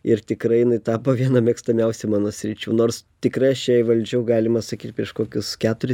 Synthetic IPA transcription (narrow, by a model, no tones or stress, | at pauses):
ɪrt̪ʲɪkrɐɪjɪnɐɪt̪ɑːpoʋʲiɛnɐmʲɛkst̪ɐmʲɛʊsʲɛmɑːnoːsʲɾʲɪt͡ʃʲṵːnoːrst̪ʲɪkrɐɪɐʃt͡ʃʲɛɪʋɐlʲd͡ʒʲɛʊɡɑːlʲɪmɐsɐkʲiːt̪̚ʲpʲɾʲiɛʃkoːkʲʊskʲæːt̪ʊɾʲɪ